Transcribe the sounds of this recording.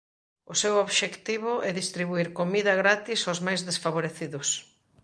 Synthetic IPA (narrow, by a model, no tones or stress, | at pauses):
ʊsewoβʃekt̪iβʊʔɛðist̪ɾiβuiɾkomiðɐɣɾat̪isozmajzðesfaβoɾeθiðʊs